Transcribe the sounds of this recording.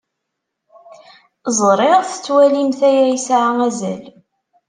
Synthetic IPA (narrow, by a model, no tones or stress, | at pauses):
zˤɾˤɪʁθə̥t͡sːwælimθæjæjsʕaæzæ̰l